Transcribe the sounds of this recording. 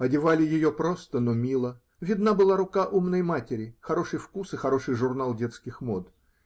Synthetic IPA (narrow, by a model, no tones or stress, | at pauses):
ɐdʲɪvalʲɪjɪjo̞pɾo̞st̪ənomʲilˠə | vʲɪd̪nabɨlˠaɾʊkaʔumnəjmatʲɪɾʲɪxɐɾo̞ʂɨjfkusɨxɐɾo̞ʂɨjʐʊrnalˠdʲe̞t̪skʲɪxmo̞t̪